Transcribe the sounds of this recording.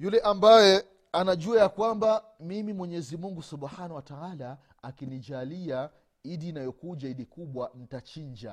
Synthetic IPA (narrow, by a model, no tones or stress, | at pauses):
julɛʔambajɛ | anaʄuajakwamba | mimimwɛɲɛzimuŋɡusuɓahanawatawalaː | kiniʄalia | iɗiːnajɔkuʄaiɗikuɓwanitat͡ʃiɲd͡ʒa̰